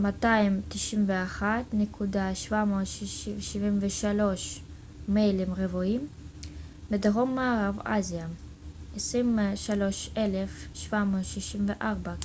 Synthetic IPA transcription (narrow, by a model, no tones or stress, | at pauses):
mataimt̪iʃimveaχat̪nekʰudaʃvamoːt̪ʃiʃiʃivimveʃalo̞ʃ | mejlimʁevuim | bedeʁomːaːʁava̰zija | esʁimʃalo̞ʃelefʃvamoːt̪ʃiʃimveʔaʁba